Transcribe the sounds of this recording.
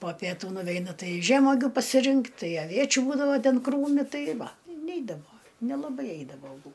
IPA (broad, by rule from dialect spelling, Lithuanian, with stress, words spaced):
poː pʲiɛˈtuː nʊˈʋʲɛɪnɐ ˈtɐɪ ˈʒʲæːmoːɡʲʊ pɐsʲɪˈrʲɪŋkt ˈtɐɪ ɐˈʋʲiɛt͡ʃʲʊ ˈbuːdɐʋɐ ˈtʲɛn ˈkruːmʲɪ ˈtɐɪ ˈʋɐ ɪ ˈnʲɛɪdɐʋoː nʲɛlˠɐˈbɐɪ ˈɛɪdɐʋoː ɐˈbuː